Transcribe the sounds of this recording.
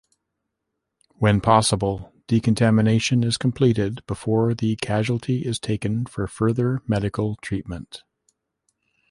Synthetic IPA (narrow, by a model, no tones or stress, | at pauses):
wɨ̃npʰɑsəbl̩ˠd̥ikɨ̃n̩tʰæmɨneɪʃɨ̃nɪz̥kʰm̩pʰl̥iɾɪd̚bəfɔɹðɨkʰæʒwl̩ˠtʰiʔɪz̥tʰeɪkɨ̃nfə˞fɜ˞ðə˞mɛɾɨkl̩ˠtʰɹ̥it̚mə̃nt